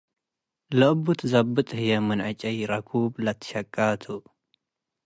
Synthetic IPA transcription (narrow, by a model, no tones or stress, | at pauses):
lɐʔɨbut̪ʰzabːɨt̪ʼhɨjɛmɨnʕat͡ʃʼɐjɾakʰublat̪ʰːɨ̥ʃakʼːat̪ʰu